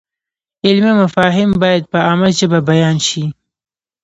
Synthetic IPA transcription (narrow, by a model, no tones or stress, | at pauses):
ɪlmimafɑɦɪmbɑjad̪̚pəamalt͡ʃebabajɑnʃi